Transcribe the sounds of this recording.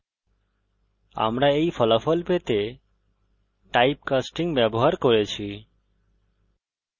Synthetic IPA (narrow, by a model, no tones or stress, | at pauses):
a̰mɾaejfɔlafɔlpet̪e | ʈajp̚kasʈiŋbɛboɦaɾkoɾet͡ɕʰi